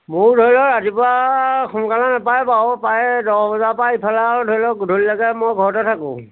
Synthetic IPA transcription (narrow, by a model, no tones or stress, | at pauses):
mʊɹdʱɔɹlɔɹatipʊɹaxʊnkalanapajpawpajdɔbɔzapaipʰaladʱɔɹilɔkdʱolilɔɡɛmɔjɡʱɔɹɔtɔtʰakʊ̰̃